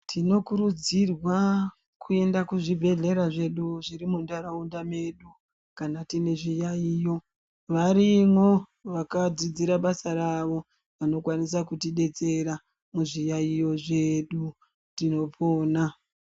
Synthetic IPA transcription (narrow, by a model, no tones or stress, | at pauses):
tʰino̞kuɾud͡zirwa | kʰue̞ndakuʐibʱe̞ɮe̞ɾaʐe̞ɗuʐiɾimundaɾaundame̞ɗu | kanatine̞ʐijaijo̞ | ʋaɾimwo̞ | ʋakad͡zid͡ziɾaɓasaɾaʋo̞ | ʋano̞kwanisakutiɗe̞t͡se̞ɾa | muʐijaijo̞ʐe̞ɗu | tino̞pʰoːna